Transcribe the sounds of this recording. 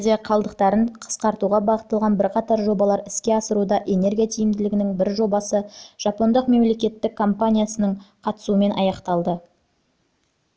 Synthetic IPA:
zʲijɑqʰɑlˠd̪əqt̪ɑɾəɴqʰə̥sqɑɾt̪uʁɑbɑʁət̪ːəlˠʁɑnbɪɾqʰɑt̪ɑɾʒo̞bɑlˠɑɾɪskʲe̞ɑsəɾud̪ɑʔe̞ne̞ɾɡʲijat̪ʰijɪmd̪ɪlɪɡʲɪnɪŋbɪɾʒo̞bɑsəʒ̥ɑpo̞nd̪əqme̞mle̞kʲe̞t̪ːɪkʰːo̞mpanʲijasənəɴqʰɑt̪ə̥suəme̞nʔɑ̰jɑqt̪ɑlˠd̪ə

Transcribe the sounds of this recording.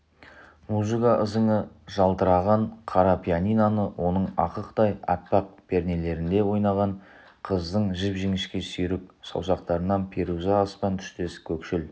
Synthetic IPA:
muzəkaʔəzəɴə | ʒɑlˠt̪əɾɑʁɑɴqʰɑɾɑpʰʲijanijnɑnəwʔo̞nəɴɑ̰qəqt̪ɑjɑ̰pːɑq̚b̥e̞ɾne̞le̞ɾɪnd̪e̞wo̞jnɑʁɑɴ | qʰəzd̪əɴʒɪpʒeŋɪʃkʲe̞sʏjɾɪksɑ̰wsɑq̚t̪ɑɾənɑnpʲʰeɾuzɑːspɑnt̪ʰʏ̥ʃt̪e̞sɪ̥kʲʰɵkʃɪl

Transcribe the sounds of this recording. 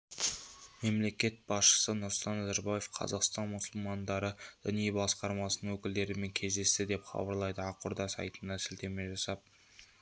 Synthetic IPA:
me̞mle̞kʲe̞t̪̚b̥ɑsʃə̥sənʊɾsʊlt̪ɑnːæzaɾbɑje̞fqʰɑ̰zɑqst̪ɑnmʊsʊlˠmɑnd̪ɑɾəd̪̥ɪnijbɑsqɑɾmɑsənəŋwɵkʲɪld̪e̞ɾɪme̞ŋkʲʰe̞zd̪e̞st̪ɪd̪e̞pχɑ̰bəɾlˠɑjd̪əɑqʊɾd̪ɑsɑ̰jt̪ənd̪ɑsɪlt̪e̞me̞ʒɑsɑp̚

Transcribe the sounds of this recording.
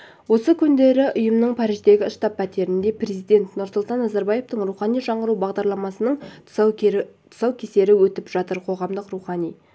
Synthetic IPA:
wo̞səkʲʰʏnd̪e̞ɾɪʔʊjəmnəɴpʰɑɾiʒd̪e̞ɡʲɪəʃt̪ɑpʰːæt̪e̞ɾɪnd̪e̞pɾe̞zijd̪e̞nt̪nʊɾsʊlˠt̪ɑnːɑzɑɾbɑje̞ft̪əɴɾuwχɑnijʒɑɴəɾubɑʁd̪ɑɾlˠɑmɑsənəɴ | t̪ʰʊ̥sɑwkʲʰe̞se̞ɾɪwɵt̪ɪpʒ̥ɑt̪əɾqʰo̞ʁɑmd̪əqruwχɑnij

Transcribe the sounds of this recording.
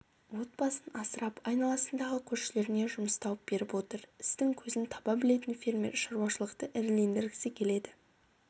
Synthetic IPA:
wo̞t̪̚bɑsənɑsəɾɑpɑjnɑlˠɑsənd̪ɑʁəkʲʰɵɾʃɪle̞ɾɪne̞ʒʊməst̪ɑwəp̚b̥e̞ɾɪpwo̞t̪əɾɪst̪ɪŋkʲʰɵzɪnt̪ʰɑbɑbɪle̞t̪ɪnfʲiɾme̞̰ɾʃɑɾuɑʃəlˠəqt̪əʔɪɾle̞nd̪ɪɾɡʲɪ̥sɪkʲʰe̞le̞d̪ɪ

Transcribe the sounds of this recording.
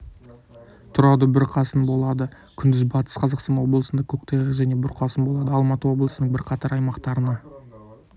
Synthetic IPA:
t̪ʰʊɾɑwd̪əbɪɾqʰɑsənbo̞lˠɑd̪ə | kʲʰʏnd̪ɪzbɑt̪ə̥sqʰɑzɑqst̪ɑnwo̞blˠəsənd̪ɑkʲʰɵkt̪eʁɪʒæne̞bʊɾqʰɑsənbo̞lˠɑd̪əɑlˠmɑt̪əwo̞blˠəsənəɴbɪɾqʰɑt̪ɑɾɑjmɑqt̪ɑɾənɑ

